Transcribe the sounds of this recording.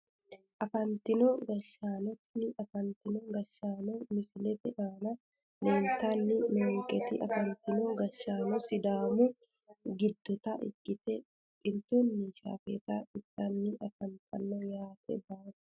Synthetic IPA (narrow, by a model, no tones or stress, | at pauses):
ʔɐfɐnt̪ɪnɔɡɐʃːaːnɔt̪nɪʔɐfɐnt̪ɪnɔɡɐʃːaːnɔmɪsɪlɛt̪ɛʔaːnɐ | leːnt̪anːɪnoːŋkʼɛt̪ɪʔɐfɐnt̪ɪnɔɡɐʃːaːnɔsɪd̪aːmʊ | ɡɪd̪ːɔt̪ɐʔɪ̰kʼːɪt̪ɛ | t̪ʼɪnt̪uːnːɪʃa̰ːfɛt̪aɪt̪ːɐnːɪʔɐfɐnt̪ʼɐ̰nːɔjaːt̪ʰɛ̰baːt